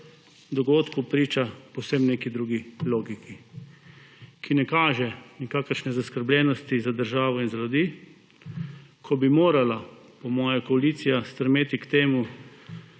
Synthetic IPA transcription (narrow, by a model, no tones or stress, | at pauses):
d̪ɔɡoːt̪kupɾiːt͡ʃapɔwsemneːkid̪ɾuːɡiloːɡiki | kʰinɛkaːʒɛnikaːkəɾʃnɛzaskəɾblʲjɛnɔst̪izad̪əɾʒaːʋɔinzalud̪iː | kʰɔbimoːɾala | pɔmɔːjakɔaliːt̪sijast̪ɾɛmeːt̪ikt̪eːmu